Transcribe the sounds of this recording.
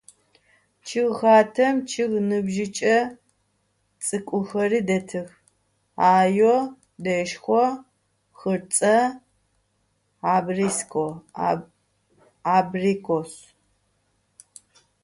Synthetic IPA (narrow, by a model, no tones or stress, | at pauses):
t͡ʃʰɪɣxaːtʰɐmt͡ʃʰɪʁnɨbʒɪt͡ʃʼɐ | t͡sʼɨkʷʼʊxɐriːdɐtʰɨx | aːjo | dɐʃxʷɔ | xɨrt͡sʼɐ | aːbriskʰʼo | abrikʰos